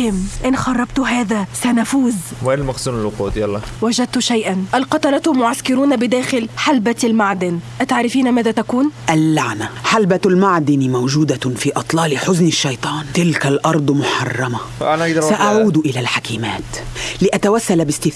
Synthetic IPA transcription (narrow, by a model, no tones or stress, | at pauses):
hɪmʔɪnxɑrˤːɑbt̪ʊɦaːðaːsanafuːzmʔelmaqsuːnɪlwɑquːt̪jɑlˤːɑwad͡ʒad̪̚t̪ʊʃajʔanʔalqɑt̪ɑɾˤɑt̪ʊmʊʕaskɪɾuːnabɪd̪aːxɪlħalbalmaʕd̪ɪnʔat̪aʕɾɪfiːnamaːðat̪akuːnʔalːaʕnaħalbalmaʕd̪ɪnmawʒuːd̪afiːʔɑt̪ˤlɑːlɪħʊznɪʃːɑjt̪ˤɑːnt̪ɪlkalʔɑɾˤd̪ˤmʊħɑ̰rˤːɑma | ʔalʔ̪saʔaʕuːd̪ʔɪlalħakiːmaːt̪lɪʔat̪awasːalbɪst̪ɪ